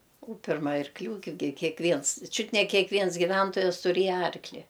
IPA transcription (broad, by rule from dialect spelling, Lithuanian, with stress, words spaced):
ʊ ˈpʲɪrmɐ ɐrkˈlʲuː ɡʲɪ kʲeː kʲeːkˈʋʲiɛns ˈt͡ʃʲʊt nʲɛ kʲeːkˈʋʲiɛns ɡʲɪˈʋʲɛntoːjɛs tʊˈrʲeːjɛ ˈɐrklʲɪ